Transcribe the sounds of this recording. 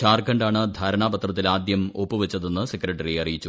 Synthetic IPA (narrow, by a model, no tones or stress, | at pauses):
t͡ɕaːrkɐɳɖaːɳɨd̪ʱaːɾɐɳaːbɐt̪rɐt̪ːilaːd̪jɐmo̞pːɨʋet͡ɕːɐðe̞nːɨsekːɾɐʈːɐriɐrijit͡ɕːu